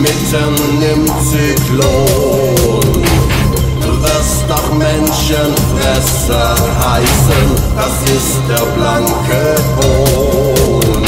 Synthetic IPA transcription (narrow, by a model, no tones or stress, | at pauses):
mɪtənːɪm | t͡sikʰlo | n | d̥uvɪstnɔχmɛnʃənfʁɛs | ə | haɪsən | asɪsd̥eɐblaŋkʰə | hoː | n